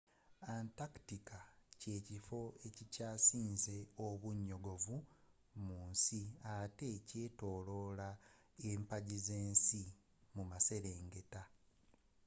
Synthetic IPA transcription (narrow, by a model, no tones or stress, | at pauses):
antaki̥tikace̞ːcifo̞e̞cicaːsiːnze̞oβuɲːo̞ɡo̞vu | muːnsiate̞ce̞ːto̞ːlo̞ːla | eːmpaɟizeːnsi | mumase̞ɾeːŋɡe̞ta